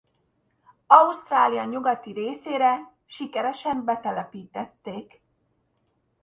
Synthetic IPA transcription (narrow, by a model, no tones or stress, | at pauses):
ɒust̪raːlijɒɲuɡɒt̪iɾeːseːɾɛ | ʃikɛɾɛʃɛmbɛt̪ɛlɛpiːt̪ɛt̪ːeːk